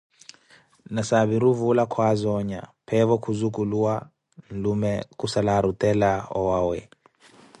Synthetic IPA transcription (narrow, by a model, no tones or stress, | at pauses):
nasaβiɾuvulakʰwazɔɲa̰pʰɛvɔkʰuzukuluwa | n̩lumɛkusalaɾutɛlaɔwawɛ